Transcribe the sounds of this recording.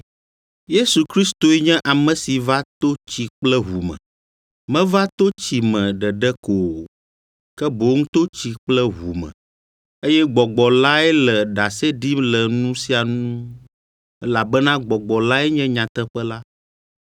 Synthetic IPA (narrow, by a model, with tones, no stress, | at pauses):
je˦su˨kɾi˦st̪o˨ɛ˦ɲɛ̃˦ʔa˨mɛ̃˨si˨va˦t̪o˦t͡ɕi˨k͡plɛ˦ɦu˨mɛ̰̃˨ | mɛ̃˦va˦t̪o˦t͡ɕi˨mɛ̃˨ɖɛ˨ɖɛ˦ko˨ | kɛ˦bo˨ŋũ˦t̪o˦t͡ɕi˨k͡plɛ˦ɦu˨mɛ̰̃˨ | e˦jɛ˦ɡ͡bɔ˨ɡ͡bɔ˨la˦ɛ˦lɛ˨ɖa˨se˦ɖi˦lɛ˨nũ˦si˦a˨nũ˦ | ɛ˦la˨bɛ˦nã˦ɡ͡bɔ˨ɡ͡bɔ˨la˦ɛ˦ɲɛ̃˦ɲã˨t̪ɛ˦ɸɛ˦la˦